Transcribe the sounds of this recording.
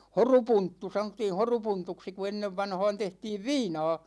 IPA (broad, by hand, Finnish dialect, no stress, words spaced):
horupuntːu sɑnotːiːn̞ horupuntuksi ku enːeʋːɑnhɑ̝ːn tehtiːʋ ʋiːnɑ̝ː